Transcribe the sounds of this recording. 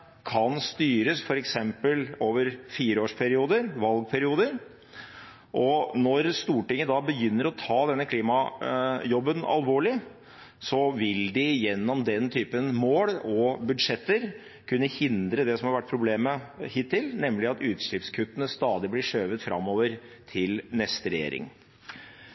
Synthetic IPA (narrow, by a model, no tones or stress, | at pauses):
kʰɑnst̪yːɾəsfɔɾɛksɛmpəloːʋəɾfiːɾəoːʂpʰæɾɪuːd̪əɾʋɑlɡ̚pʰæɾɪuːd̪əɾ | ʔɔnɔɾst̪uːʈɪŋːəd̪ɑbəjʏnːəɾɔt̪ʰɑːd̪ɛnːəkʰliːmɑjɔbːənɑ̰lʋoːɭɪ | sɔʋɪld̪ɪjɛnːɔmd̪ɛnt̪ʰyːpənmoːɽɔbʉd̪ʂɛt̪ːəɾ | kʰʉnːəhɪnd̪ɾəd̪ɛsɔmhɑɾʋæʈ̚ːpʰɾʊbleːməhɪt̪ʰːɪlnɛmlɪɑt̪ʉːt̪ʂɭɪpskʰʉt̪ːənəst̪ɑːd̪ɪblɪʂøːʋət̪fɾʔɑ̰mːoːʋəɾ | t̪ʰɪlnɛst̪əɾɛjḛːɾɪ̰ŋ